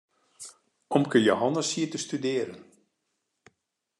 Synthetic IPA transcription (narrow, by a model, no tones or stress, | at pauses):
ɔmkəjoɦɔnəshiətəstydɪːəɾən